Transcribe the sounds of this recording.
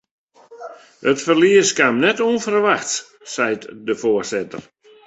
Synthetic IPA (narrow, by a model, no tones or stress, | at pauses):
hətfərliəskamnɛtoənfərʋaxt | sɛjtdəfoərsɪtə̰r